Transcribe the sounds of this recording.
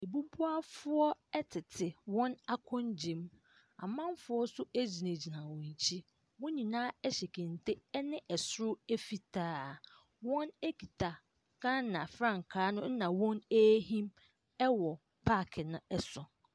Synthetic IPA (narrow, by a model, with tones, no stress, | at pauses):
e˨bu˦bu˦a˦fʊ˦ɔ˦ɛ˦tʰɪ˨tʰɪ˨wɔ̃˦na˦kʰɔ̃˦nd͡ʑɪ̃˨m | a̰˨mã˦mfʊ˦ɔ˦sʊ˦æ˦d͡ʑi˨nẽ˨d͡ʑi˨nã˨wɔ̃˨ɲ˨t͡ɕʰi˦ | mʊ̃˦ɲĩ˨nãː˦ɛ˦ɕɛ˨kʰẽ˨n˨tʰe˦nɪ̃˦ʔɛ˨sʊ˦ɾʊ˦æ˦fi˦tʰaː˦ | wɔ̃˦ne˦kʰi˨tʰa˨ | kʰã˦nːã˨fɾã˦˨ŋ˨kʰaː˨˦nʊ̃˦n̩˦nã˨wɔ̃˦næː˦hĩ˦m | ɛ˦wɔ˨ | pʰa˦˨kʰɪ˨nʊ̃˦ɛ˦sʊ˨